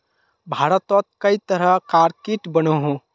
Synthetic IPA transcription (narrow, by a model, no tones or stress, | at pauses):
bʱaɾət̪ɔt̪̚kəjt̪əɾəkaɾkiʈbənəɦũ